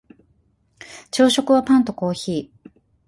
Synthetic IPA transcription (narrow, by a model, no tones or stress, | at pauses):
t͡ɕɨːɕo̞kɯ̟βapãnt̪o̞ko̞ːçiː